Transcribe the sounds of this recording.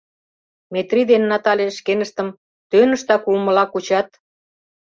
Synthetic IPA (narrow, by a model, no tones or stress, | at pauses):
met̪rid̪enːɑt̪ɑlʲeʃkenəʃt̪ə̆m | t̪ønə̆ʃt̪ɑkulmə̆lɑkut͡ɕɑt̪